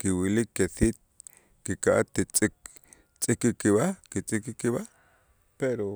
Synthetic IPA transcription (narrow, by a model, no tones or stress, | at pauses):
kiwilikːeθiːt̪̚ | kikaʔa̰t̪ːit͡sʼik | t͡sʼikikːiβakit͡sʼikikiβa | peɾo